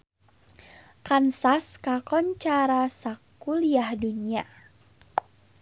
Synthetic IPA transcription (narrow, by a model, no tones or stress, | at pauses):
kansaskakɔnt͡ʃaɾasakuliahdunia